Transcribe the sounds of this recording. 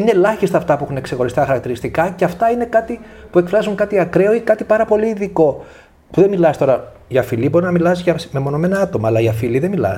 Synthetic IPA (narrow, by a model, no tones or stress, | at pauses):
ine̞lɐçist̪ɐːft̪ɐpuexune̞ksexo̞ɾist̪ɐxɐɾɐkt̪iɾist̪ikɐceɐft̪ɐine̞kɐt̪ipue̞kfɾɐzuŋkɐt̪iɐkɾe̞o̞ikɐt̪ipɐɾɐpo̞liːðiko̞ | puðe̞milɐst̪o̞ɾɐ | ʝɐfilibo̞ɾinɐmilɐsʝɐsmemo̞no̞menɐɐt̪o̞mɐːlɐiɐfiliðemilɐ̰s